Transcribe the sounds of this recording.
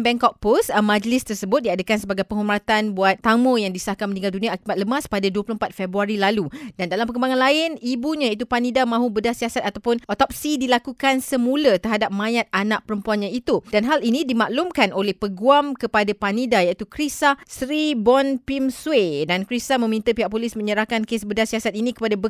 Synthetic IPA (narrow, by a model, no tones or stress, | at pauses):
bɛŋkɔk̚posmãd͡ʒəlɪst̪ərsəbʊt̪̚diadakansəbaɡajpəŋɦumat̪anbuat̪ːaməjaŋdisəahkamənĩŋɡaldunĩaːkibat̪̚ləmaspadaduəplompat̪̚fɛbɾuaɾilaludandalampəkəmbaŋanlaɪnibuɲajait̪̬upanidamãɦubədahsiasat̪̚at̪awpʊnʔɔt̪ɔp̚sidilakukansəmulat̪ərɦadap̚mãjat̪̚anaʔ̚pəɾəmpuanɲãit̪udanɦalinĩdimaʔlumkanolɛhpəɡuamkəpadapanidajaʔit̪ukɾisasɾibɔnpimswedankɾisamə̃mĩnt̪əpiɦaʔ̚polismə̃ɲəɾahkankesbədasiasat̪̚inĩkə̥padabə